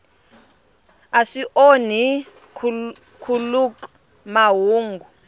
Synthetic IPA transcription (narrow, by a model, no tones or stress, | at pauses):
aʂiʔoni | kʰuluk | maɦuːŋɡu